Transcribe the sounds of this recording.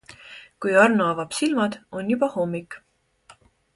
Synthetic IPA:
kujɑrnuɑvɑb̥silmɑd̪̥o̞njubɑho̞mːik

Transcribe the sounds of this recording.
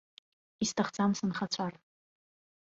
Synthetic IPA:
istʰaχd͡zamsɨnχat͡ɕʷʰar

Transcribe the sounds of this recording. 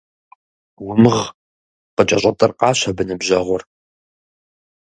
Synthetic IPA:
wʊmɨʁ | qət͡ʃʼɐɕʼɐtʼɨrqɑːɕʷɐbɨnɨbʑɐʁʷʊr

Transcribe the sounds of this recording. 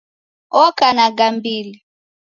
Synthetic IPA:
ɔkanaɡambili

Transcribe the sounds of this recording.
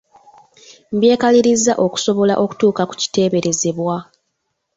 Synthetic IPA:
m̩bje̞ːkaliɾizːaʔo̞ku̥so̞βo̞la̰ʔo̞ku̥tuːkaku̥ci̥te̞ːβe̞ɾe̞ze̞βwa

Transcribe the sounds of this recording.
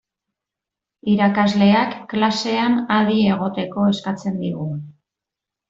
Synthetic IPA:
iɾakazle̞akːlase̞anaðie̞ɣ̞o̞t̪e̞ko̞e̞skat͡se̞nd̪iɣ̞u

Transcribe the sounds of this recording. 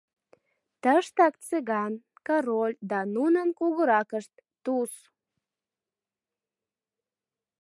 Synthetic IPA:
t̪əʃt̪ɑkt͡seɣɑn | kɑɾolʲd̪ɑnunənkuɣəɾɑkəʃt̪ːus

